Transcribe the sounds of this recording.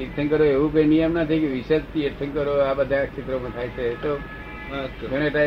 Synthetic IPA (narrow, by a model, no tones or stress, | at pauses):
isʰənkəɾoeʋũpenijəmnət̪ʰikeʋiʃed͡ʒt̪ieʈsʰənkəɾoabəd̪ʱãkt͡ʃʰit̪ɾomãt̪ʰajt͡ʃʰet̪o | t͡ʃeɽ̃eʈa